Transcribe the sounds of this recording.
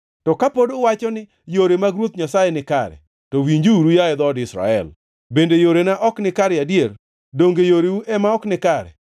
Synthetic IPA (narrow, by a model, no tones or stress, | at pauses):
tɔkapodowat͡ʃɔnɪ | joɾemaɡɾwot̪̚ɲasajenɪkaɾɛ̰ | towiɲd͡ʒuuɾujaɛd̪ɔdɪsɾa̰ɛ̰l | bendejoɾenaʔɔknɪkaɾɛadjeɾ | doŋɡejoɾewuʔɛmaɔknɪkaɾɛ̰